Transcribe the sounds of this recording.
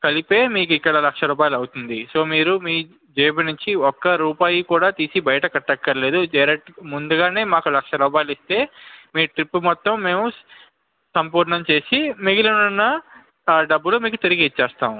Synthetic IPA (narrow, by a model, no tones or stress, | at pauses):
kɐlipe̞ːmiːkuikːɐɽɐlɐkʂɐɾuːp̬aːjlɐwut̪und̪iso̞ːmiːɾumiː | d͡ʒeːbɐnuɲt͡ʃiɔkːɐɾuːpaːjikuːɽaːt̪iːsibɐjɐʈɐkɐʈːɐkːɐɾɐle̞ːd̪ud͡ʒɐɾeʈmund̪uɡaːne̞ːmaːkulɐkʂɐɾuːpaːjilist̪e̞ːmiːʈɾipːumɔt̪ːɐmːe̞ːmu | sɐmpuːɾnɐmt͡ʃe̞ːsimiɡilɐnunːɐː | ɖɐbːulomiːkut̪iɾiɡiːt͡ʃːɛːst̪aːmu